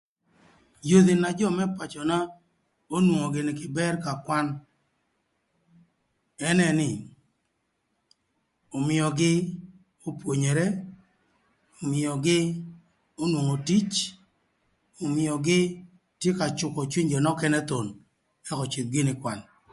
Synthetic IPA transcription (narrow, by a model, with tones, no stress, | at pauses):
jo˦d̪ɪ˨na˨d͡ʒɔ˦˨mɛ˦pa˨t͡ʃɔ˨na˦ | o˦nwo˨ŋo˨ɡɪ˨nɪ˨kɪ˨bɛ˦rka˨kwa˦n | ɛ˦nɛ˨nɪ˨ | o˨mɪ˨ɔ˨ɡɪ˦ | o˦pwo˨ɲe˨ɾɛ˦ | o˨mɪ˨ɔ˨ɡɪ˦ | o˦nwo˨ŋo˨ti˦t͡ʃ | o˨mɪ˨ɔ˨ɡɪ˦ | tje˦ka˨t͡ʃʊ˨kɔ˨t͡ʃwi˦ɲd͡ʒɔ˨nɔ˦kɛ˦nɛ˦t̪o˨n | ɛ˦kɔ˨t͡ʃɪ˨t̪̚ɡɪ˦nɪ˨kwa˨n